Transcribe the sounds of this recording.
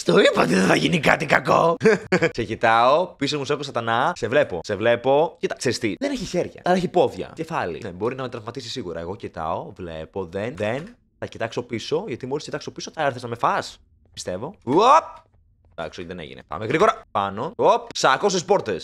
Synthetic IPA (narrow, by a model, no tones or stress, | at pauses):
st̪oipɐot̪iðeθɐʝinikɐt̪ikɐkokse̞cit̪ɐo̞pisozmusekosɐt̪ɐnɐse̞vle̞po̞̰se̞vle̞po̞cit̪ɐkseɾist̪iðeneçiçeɾʝɐ̰ɐlɐeçipo̞ðʝɐ̰ce̞fɐlḭnebo̞ɾinɐmet̪ɾɐvmɐt̪isisiɣuɾɐ̰eɣo̞cit̪ɐ̰o̞vle̞̰po̞ðenðen | θɐcit̪ɐkso̞piso̞ʝɐt̪imo̞ɾiscit̪ɐkso̞piso̞t̪ɐeɾθeznɐme̞fɐs | pi̥st̪e̞vo̞op̚ | d̪ɐ̰ksot̪iðenḛʝḭnḛpɐ̰meɣɾiɣo̞ɾɐpɐno̞op̚sɐkosispo̞ɾt̪es